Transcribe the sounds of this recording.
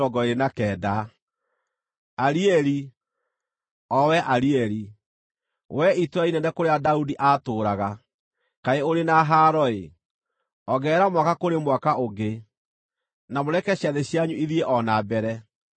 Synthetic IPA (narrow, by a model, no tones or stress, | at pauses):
ɔɡɔeɾenakɛːda | aɾiɛɾi | ɔwɛʔaɾiɛɾi | wɛitɾainɛnɛkoɾeadaudiʔatoːɾaɣa | kaeoɾenaɦaɾɔe | ɔɣɛːɾamwakakoɾemwakaoɡe | namoɾɛkɛɕiaðeɕjaɲuiðieʔɔnabɛɾɛ